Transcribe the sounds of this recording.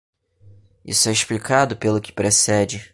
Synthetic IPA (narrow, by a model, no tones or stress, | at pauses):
ḭsʊɛɪʃplikʰad̪ʊpelʊkɪ̥pɾesɛd͡ʒɪ